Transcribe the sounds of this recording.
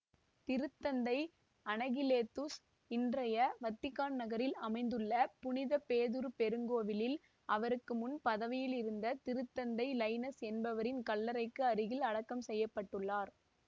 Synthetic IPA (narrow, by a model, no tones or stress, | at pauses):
t̪ɪɾɯt̪ːɐnd̪ɐɪ | ɐnɐɣɪleːt̪ːus | ɪndrɐjɐʋɐt̪ːɪkːaːnnɐɣɐɾɪlɐmɐɪnd̪ɯɭːɐpʊnɪðɐpeːðɯɾpɛɾɯŋɡoːʋɪlɪl | ʔɐʋɐɾɯkːɯmʊnpɐðɐʋɪjɪlɪɾɯnd̪ɐt̪ɪɾɯt̪ːɐnd̪ɐɪlɐɪnɐsɛnbɐʋɐɾɪnkɐlːɐɾɐɪkːɯɐɾɯɣɪlɐɽɐkːɐmsɛjːɐpːɐʈːɯɭːaːɾ